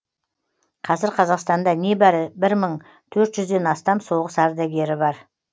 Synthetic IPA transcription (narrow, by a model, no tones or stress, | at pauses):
qʰɑzɪɾqʰɑzɑqst̪ɑnd̪ɑnebæɾɪbɪɾməɴ | t̪ʰɵɾt̪ʒ̥ʏzd̪e̞nɑst̪ɑmso̞ʁəsɑɾd̪ɑɡʲe̞ɾɪbɑɾ